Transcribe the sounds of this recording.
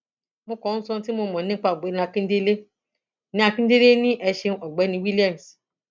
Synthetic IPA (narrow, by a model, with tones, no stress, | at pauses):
mo˧kɔ̃˨˦ñ̩˦sɔ̃˧ti˦mo˧mɔ̃˨nĩ˦k͡pa˧˨ɡ͡be˨˦ñ˨a˧kĩ˦n̩˦de˦le˦ | nĩ˦a˧kĩ˦de˦le˦nĩ˦ʔɛ˧ʃe˧ɔ˨ɡ͡bɛ˨˦nĩ˧wi˦li˦a˨m˨s